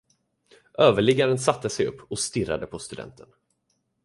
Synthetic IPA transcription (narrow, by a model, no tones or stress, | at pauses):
ʔøːvəɭɪɡːaɾənsat̪ːəsɛjɵ̰pːɔst̪ɪra̰d̪əpʰɔst̪ɵd̪ɛ̰nt̪ʰən